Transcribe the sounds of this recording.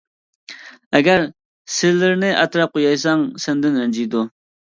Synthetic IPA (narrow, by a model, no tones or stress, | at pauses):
æɡʲæɾ | sɪzlːɪɾnɪʔɑt̪ɾɑp̚qojɑjs̬ɑŋsənd̪ɪnɾənd͡ʒijd̪u